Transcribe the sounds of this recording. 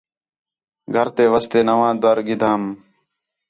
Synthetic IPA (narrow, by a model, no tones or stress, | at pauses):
ɡʱəɾt̪eːʋəst̪eːnəʋãːd̪əɾɡɪd̪ʱaːm